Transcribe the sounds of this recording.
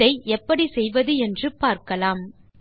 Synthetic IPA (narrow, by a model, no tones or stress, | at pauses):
ɐɪʔɛpːɐɽisɛjʋɐðɯɛndrɯpaːɾkɐlaːm